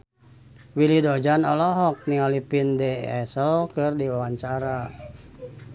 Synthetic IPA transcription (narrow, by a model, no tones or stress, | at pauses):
wilidɔd͡ʒanɔlɔɦɔk̚niŋalipindɛɛsəlkɨrdiwawaɲt͡ʃaɾa